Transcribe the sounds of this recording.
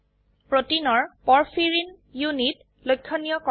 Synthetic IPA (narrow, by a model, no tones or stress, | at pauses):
pɹotinɔɹpɔɹpʰiɹin | junit | lojkʰːɔnijɔkɔ